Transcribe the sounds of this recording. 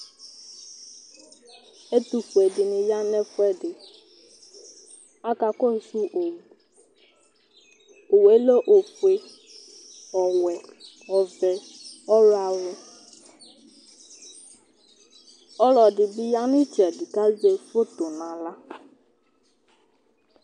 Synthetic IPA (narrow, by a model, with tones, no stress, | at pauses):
e˦tu˨fu˨e˨dɪ˨nɪ˨ja˦nɛ˦fʊ˦ɛ˦dɪ˨ | a˦ka˨kɔ˦˨su˦ʔo˨wu˨ | o˨we˦lo˦ʔo˨fwe˨ | ɔ˨wɛ˨ | ɔ˨vɛ˨ | ɔ˦ɾa˨wʊ˦ | ɔ˦lɔ˨dɪ˨bɪ˦ja˦nɪ˦ti˨a˨dɪ˨ka˦ze˨fo˦to˨nã˨la˦